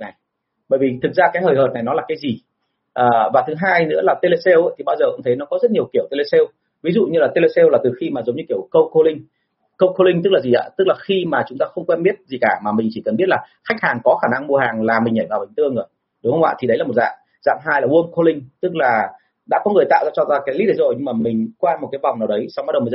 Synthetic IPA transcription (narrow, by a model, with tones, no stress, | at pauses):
na˨˩j | ɓəː˧˩jvi˨˩t̪ʰɨ˨˩k̚zaː˧kaː˨˦jhəː˨˩jɦəː˨˩t̚na˨˩jnɔ˨˦laː˨˩kaː˨˦jzi˨˩ | ʔəː˨˩vaː˨˩t̪ʰɨ˨˦ɦaː˧jnɨ̰˧˥laː˨˩t̪e˧le˧sɛ˧wʔt̪ʰi˨˩ɓaː˧wzəː˨˩ʔə̰˧˥ŋ͡mt̪ʰə˨˦jnɔ˨˦kɔ˨˦zə˦˥t̚ɲi˨˩əwki˧˩əwt̪e˧le˧se˧w | vi˨˦zṵ˧˨ɲɨ˧laː˨˩t̪e˧le˧se˧wlaː˨˩t̪ɨ˨˩xi˧maː˨˩zə˨˦ŋ͡mɲɨ˧ki˧˩əwkə˧wko˧li˧ŋ | kə˧wkʰo˧lï˧ŋ̟t̪ɨ˦˥k̚laː˨˩zi˨˩ʔa̰ː˧˦t̪ɨ˦˥k̚laː˨˩xi˧maː˨˩t͡ɕʊ˨˦ŋ͡mt̪aː˧xə˧wŋ͡mkwɛ˧nɓi˦˥ət̚zi˨˩kaː˧˩maː˨˩mï˨˩ŋ̟t͡ɕi˧˩kə˨˩nɓi˦˥ət̚laː˨˩ | xa˦˥jk̚haː˨˩ŋkɔ˨˦xaː˧˩na˧ŋmu˧əhaː˨˩ŋlaː˨˩mï˨˩ŋ̟ʔə˧˩jvaː˨˩ɓi˨˩ŋ̟t̪ɨ˧əŋzo˨˩j | ɗʊ˨˦ŋ͡mhə˧wŋ͡mʔa̰ː˧˨t̪ʰi˨˩ɗə˨˦jlaː˨˩o˨˩t̚za̰ː˧˨m | za̰ː˧˨mɦaː˧jlaː˨˩wu˧ə˧mkʰo˧lï˧ŋ̟t̪ɨ˦˥k̚laː˨˩ | ɗa̰ː˧˥kɔ˨˦ŋɨ˨˩əjt̪a̰ː˧˨wzaː˧t͡ɕɔ˧zaː˧kaː˨˦jli˦˥ɗə˨˦zo˨˩jɲɨ˧ŋmaː˨˩mï˨˩ŋ̟kwaː˧nm˨˩t̚kaː˨˦jva˨˩wŋ͡mnaː˨˩wɗə˨˦jsa˧wŋ͡mɓa˦˥ɗə˨˩wm˨˩z